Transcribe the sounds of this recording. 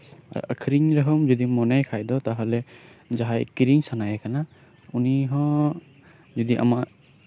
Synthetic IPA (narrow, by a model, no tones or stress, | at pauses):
a̰ɹṵʔa̰kʰɾiŋɹaɦɔmzɔd̪imɔnajkʰajd̪ɔt̪aɦɔlɛzaɦajkiɾiŋsanajakʰana | uniɦɔ̃ | zɔd̪iʔa̰ma